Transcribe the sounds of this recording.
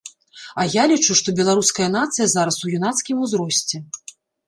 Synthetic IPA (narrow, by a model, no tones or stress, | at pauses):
ɐjalʲit͡ʂuʂt̪ɔbʲɛlˠaɾuskɐjɐn̪at̪sɨjɐzaɾɐsujunat̪skʲimuzɾɔsʲt͡sʲɛ